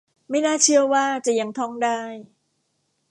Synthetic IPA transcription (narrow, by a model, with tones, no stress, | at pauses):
ma˥˩jnaː˥˩t͡ɕʰɯ˥˩əwaː˥˩t͡ɕa˨ʔja˧˦ŋt̪ʰɔ˥˩ŋdaː˥˩j